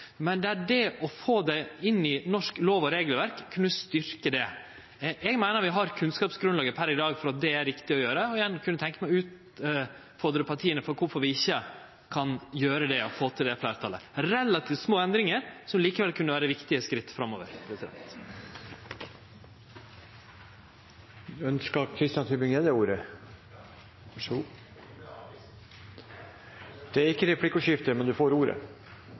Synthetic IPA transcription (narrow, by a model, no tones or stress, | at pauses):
mɛnd̪ɛæɖɛɔfoːd̪æɪɪnːɪnɔʂkloːʋɔɾeːɡlʋæɾkʰːʉnəst̪ʏɾkəd̪ɛ | ʔɛɡmæɪnəɾʋɪɦɑɾkʰʉnskɑːpsɡɾʉnlɑːɡəpʰæɾɪd̪ɑːɡfɔɾɑt̪̚d̪ɛæɾʋɪkt̪ɪɔjøːɾəɔɪjɛnːkʰʉnːət̪ʰɛŋkəmɛʉːt̪ | fɔd̪əɾəpɑɾʈ̪ʰiːənəfɔɾkʊɾfɔɾʋɪɪçːə | kʰɑnjøːɾəd̪ɛɔ̰foːt̪ʰɪld̪ɛflæːɾt̪ʰɑlə̰ɾɛlːɑt̪ʰiːft̪smoːɛnd̪ɾɪŋəɾsɔmliːkəʋɛlkʰʉnːəʋæːɾəʋɪkt̪ɪəskɾɪt̪ːfɾɑmːoːʋə̰ɾpʰɾɛsɪd̪ɛ̰nt̪ | œnskɑkʰɾɪst̪ɪjɑnt̪ʰʏbɪŋeːd̪əuːɾə | d̪̥ɛæɾɪkːəɾɛpʰlɪkːʉʂɪft̪əmɛnd̪ʉfoːɾuːɾə̰